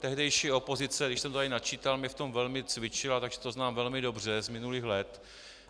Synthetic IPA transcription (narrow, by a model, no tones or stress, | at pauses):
t̪ɛɦdɛjʃiːo̞po̞zɪt͡sɛɾɪʃsɛmt̪ot̪aɪnat͡ʃiːt̪almɪft̪o̞mvɛlmɪt͡svɪt͡ʃɪlat̪aɡʒɛ̥t̪oznaːmvɛlmɪdo̞br̝ɛzmɪnuliːxlɛt̪